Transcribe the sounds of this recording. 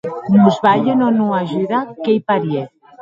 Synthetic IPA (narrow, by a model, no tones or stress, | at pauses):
muzβaʎenonũaʒuðakejpaɾje